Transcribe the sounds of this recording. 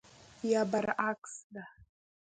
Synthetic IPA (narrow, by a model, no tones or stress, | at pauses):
jabaɾakʼsda